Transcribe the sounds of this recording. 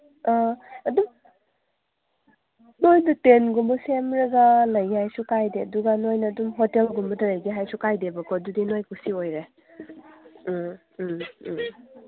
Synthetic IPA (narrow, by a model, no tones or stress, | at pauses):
aɐdum | nojdutenɡumbɐsemɾɐɡɐlɐjhajsukajdeɐduɡanojnɐːdumɦotelɡumbɐtɐɾɐjɡeɦajsukajdebɐkʰɔdudinojkusiojɾe